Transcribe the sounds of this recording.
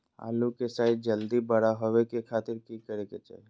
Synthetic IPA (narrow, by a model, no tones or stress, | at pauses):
a̰ːlukesaːid͡ʒəld̪ibəɽaɦoʋekekʰaːt̪ɪɾkikəɾeket͡ʃḛ